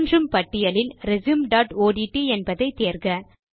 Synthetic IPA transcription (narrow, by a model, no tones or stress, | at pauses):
ndrɯmpɐʈːɪjɐlɪlɾɛzɯmɖaːʈoːɽiʈːiɛnbɐðɐɪt̪ːeːɾɡɐ